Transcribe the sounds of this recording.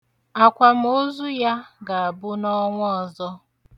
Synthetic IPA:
a˨kʷa˨m̩˦o˦zu˦ja˦ɡa˨a˨bʊ˦nɔ˦ŋʷ˦ɔ˨zɔ˦

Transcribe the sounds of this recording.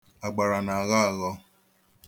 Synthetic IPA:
a˨ɡ͡ba˨ɾa˨na˨a˨ɣa˦a˨ɣɔ˦

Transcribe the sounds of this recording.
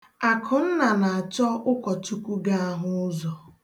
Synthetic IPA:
a˨kʰʊ˨n̩˦na˨na˨a˨t͡ʃɔ˦ʔʊ˦kɔ˨t͡ʃu˦kʷu˦ɡa˦a˦ɦʊ˦ʊ˦zɔ˨

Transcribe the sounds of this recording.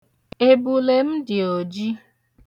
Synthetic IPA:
e˦bu˨le˦m̩˦dɪ˨o˨d͡ʒi˦

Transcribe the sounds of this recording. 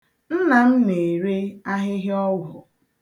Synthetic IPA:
n̩˦na˨m̩˦ne˨ɾe˦a˦ɦɪ˦ɦɪ˦ɔ˦wʊ˨

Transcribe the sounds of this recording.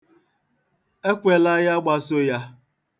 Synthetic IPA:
e˦kʷe˨la˦ja˦ɡ͡ba˦so˦ja˦

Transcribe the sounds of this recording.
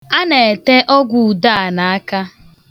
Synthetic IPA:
a˦ne˨e˨te˦ʔɔ˦ɡʷu˨u˨da˦a˨na˨a˦ka˦

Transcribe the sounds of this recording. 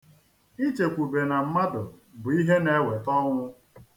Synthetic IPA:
i˦t͡ʃe˨kʷu˨be˨na˨m̩˦ma˦dʊ˨bʊ˨i˦ɦe˦ne˦we˨tɔ˦ŋʷʊ˦

